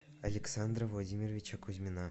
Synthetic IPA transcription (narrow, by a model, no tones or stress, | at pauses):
alʲɪksɑnd̪rəvlˠodʲimʲirvʲit͡ɕekʰuzʲmʲinɑ